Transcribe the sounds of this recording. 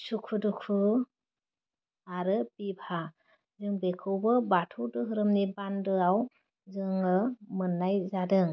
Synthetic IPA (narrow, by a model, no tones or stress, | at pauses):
sukʰudukʰu | aɾɯbibʰʱa | zɯŋbekʰɯwbɯbatʰudɯɦɯɾɯmnibandɯaw | zɯŋɯmɯnːajzadɯŋ